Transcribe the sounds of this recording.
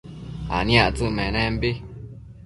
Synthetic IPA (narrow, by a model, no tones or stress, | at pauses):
a̰njaʔt͡sɨmɛnɛm̩bi